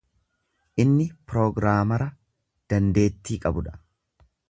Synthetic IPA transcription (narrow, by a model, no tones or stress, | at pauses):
ʔɪnːɪpɾo̞ːɡɾaːmɐɾɐ | d̪̥ɐnd̪e̞ːt̪ːiːkʼɐbʊᶑɐ̥